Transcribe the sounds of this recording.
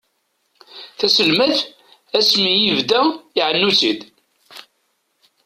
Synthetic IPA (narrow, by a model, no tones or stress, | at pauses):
θæsəlmæθ | æsmijivd̪æiʕənːut͡sid̪